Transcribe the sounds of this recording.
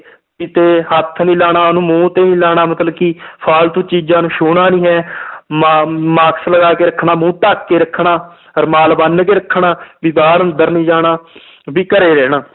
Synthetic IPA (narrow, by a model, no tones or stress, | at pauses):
kit̪eːɦət̪ʰːnĩːlaːɽaːnũːmũːt̪eːnĩːlaːɽaːmət̪ləbkiːpʰaːlt̪õːt͡ʃiːd͡ʒãːnũːʃoːɳaːnĩːɦɛːmamaːksləɡaːkeːɾəkʰːɳaːmũːʈaːkːeːɾəkʰːɳaː | əɾmaːlbənk̬eːɾəkʰːɳaːbɪbaːɾənd̪əɾnĩːd͡ʒaːɽaː | ʋiːkəɾeːɾɛːnaː